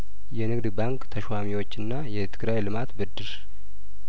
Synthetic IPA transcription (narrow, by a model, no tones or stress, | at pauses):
jɛnɨɡd̪baŋkt̪ʰəʃwamiwo̞t͡ʃːɨnːajɛt̪ʰɨɡɾajlɨmat̪bɨd̪ːɨɾ